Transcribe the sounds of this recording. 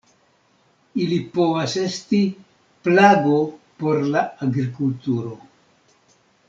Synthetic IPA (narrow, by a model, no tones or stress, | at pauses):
ilipo̞vase̞sti | plaɡopo̞ɾlaaɡɾikultuɾo̞